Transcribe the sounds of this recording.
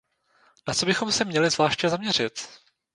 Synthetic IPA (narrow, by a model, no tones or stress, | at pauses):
nat͡sobɪxo̞msɛmɲɛlɪzvlaːʃcɛzamɲɛr̝ɪt̪